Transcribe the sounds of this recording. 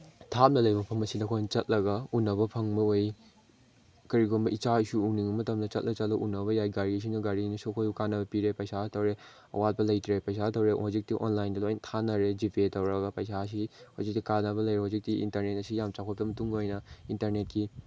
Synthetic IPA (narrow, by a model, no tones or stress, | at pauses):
tʰamnɐlɐjbɐpʰɐmɐsidɐkʰojnɐt͡ʃɐt̚lɐɡɐunːɐβɐpʰɐŋmɐoj | kɐɾiɡonbɐit͡ʃaisuuniŋɐmɐtɐmdɐt͡ʃɐt̚lʔɐt͡ʃɐt̚lɐʔunɐβɐjajɡaɾis̬iŋnɐɡaɾinɐsuɐkʰojukanːɐbɐpiɾepɐjsatɐwɾe | ɐ̰wat̚pɐlɐjtɾepɐjsatɐwɾehozik̚tiʔo̰nlajndɐlojntʰanɐɾed͡ʒipʰetɐwɾɐɡɐpɐjsas̬ihozik̚tikanɐβɐlɐjɾehozik̚tiḭntɐɾnet̚ɐsijamt͡ʃakʰɔp̚ɐmɐtuŋojnɐintɐɾnet̚ki